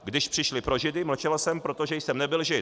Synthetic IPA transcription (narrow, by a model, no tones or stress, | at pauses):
ɡdɪʃpr̥ɪʃlɪpɾo̞ʒɪdɪml̩t͡ʃɛlsɛmpɾo̞t̪oʒɛjsɛmnɛbɪlʒɪ